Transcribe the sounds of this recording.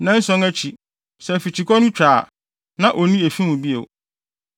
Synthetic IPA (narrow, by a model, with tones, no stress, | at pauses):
nã˦n̩˦sɔ̃˦ŋæ˦t͡ɕʰi˨ | sɛ˨fi˨t͡ɕʰi˨kʰɔ˦nʊ̃˦t͡ɕʰᶣɾaː˨ | nã˦ʔo˨nĩ˦e˨fĩ˦mũ˨bi˦ḛ˨